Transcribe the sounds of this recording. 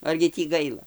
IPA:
ˈɐrʲɡʲɪ tʲiː ˈɡɐɪlˠɐ

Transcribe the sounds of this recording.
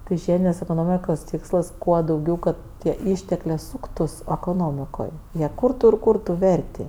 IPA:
tɐɪ ˈʒʲiɛdʲɪnʲeːs ɛkoːˈnoːmʲɪkoːs ˈtʲɪkslˠɐs ˈkuɔ dɐʊˈɡʲɛʊ ˈkɐt tʲiɛ ˈiːʃʲtʲɛklʲeːˈsuːktʊs ɛkoːˈnoːmʲɪkoːj jiɛ ˈkʊrtʊ ɪr ˈkʊrtʊ ˈʋʲɛrʲtʲɪ

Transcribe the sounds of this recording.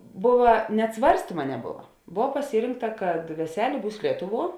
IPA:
ˈboːʋɐ nʲɛt ˈsʋɐrʲsʲtʲiːmɐ nʲɛˈboːʋɐ ˈboːw pɐˈsʲiːrʲɪŋktɐ kɐt ʋʲɛˈsʲæːlʲeː ˈbuːs ˈlʲiɛtʊˌʋuɔ

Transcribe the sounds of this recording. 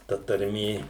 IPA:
tɐ tɐrʲˈmʲeː

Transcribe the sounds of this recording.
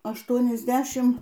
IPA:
ɐʃˌtuɔnʲɪzʲˈdʲæːʃʲɪm

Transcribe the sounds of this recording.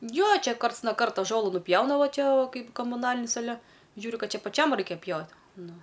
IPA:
ˈjoː ˈt͡ʃʲɛ ˈkɐrts noː ˈkɐrtoː ˈʒoːlˠʊ nʊˈpʲjɛʊnɐ ˈʋɐ ˈt͡ʃʲɛ ˈkɐɪp koːmʊˈnɑːlʲɪnʲɪs ɐˈlʲɛ ˈʒʲuːrʲʊ ˈkɐt ˈt͡ʃʲɛ pɐˈt͡ʃʲɛm ˈrɐɪkʲɛ ˈpʲjɛʊt ˈnʊ

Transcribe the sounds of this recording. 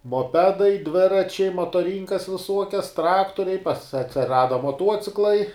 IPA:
moːˈpʲæːdɐɪ ˈdʲʋʲɪrɐt͡ʃʲɛɪ moːtoːˈrʲiːŋkɐs ʋʲɪˈsuɔkʲɛs ˈtrɑːktoːrʲɛɪ pɐs ɐtʲsʲɪˈrɑːdɐ moːˈtuɔt͡sʲɪklˠɐɪ

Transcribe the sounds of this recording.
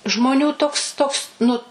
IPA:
ʒmoːˈnʲuː ˈtoːks ˈtoːks nʊ

